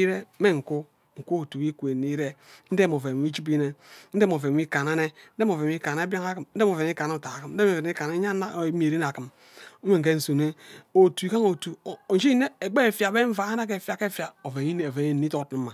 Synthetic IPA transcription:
ɾe˦me˦ŋ̩˨ku˦ | ŋ̩˨ku˦o˨tu˨wi˦kʷe˨ni˦ɾe˦n̩˦de˦mo˨ve˨i˦d͡ʒi˦b̬i˦ne˦n̩˦de˦m˨o˨ve˨˦i˦ka˨na˦ne˦n̩˦de˦m˦o˨ve˨i˦ka˨ne˦ba˦ŋa˦ki˨mn̩˦de˦m˨o˨ve˨˦i˦ka˨˦o˨ta˨a˨ki˨mn̩˦de˦o˨ve˨˦i˦ka˨ne˦ɲa˦˨˦m˦e˨ɾi˦n˨a˨kɨ˨m | u˦me˨ŋ̩˨ke˦n̩˨su˨ne˦o˨tu˨i˨ka˦ŋo˨tu˨d͡ʒi˦ne˦e˨ɡ͡be˦˨fja˨be˦ɱ̩˦va˨˦na˦ke˨fja˨ke˦fja˨o˨ve˨ɲi˦n˨o˨ve˨ɲi˦˨i˦to˦tni˨˦ma˨

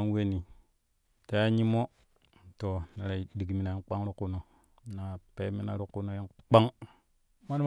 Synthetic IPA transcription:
a˦nwe˦ni˨ | ta˨˦ja˦ɲi˦mo˦ | to˨na˨ɾa˨di˨ɡmi˨na˨ji˦k͡pa˦ŋɾu˦kːu˦no˨ | na˨pe˦mi˦na˦ɾu˦kːu˦no˦ji˦nk͡pa˦ŋ | ma˦n˦

